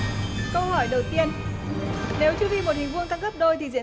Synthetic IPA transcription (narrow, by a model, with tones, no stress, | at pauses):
kə˧whɔ˧˩jɗə˨˩wt̪i˧ən | ne˨˦wt͡ɕu˧vi˧mo˨˩t̚hï˨˩ŋ̟vɨ˧əŋt̪a˧ŋɣə˦˥p̚ɗo˧jt̪ʰi˨˩zḭ˧˨ə